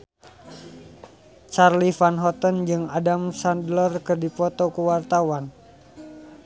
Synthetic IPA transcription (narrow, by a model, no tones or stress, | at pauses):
t͡ʃarlifanɦɔt̪ənd͡ʒɨŋadamsandlərkɨrdipɔt̪ɔkuwart̪awan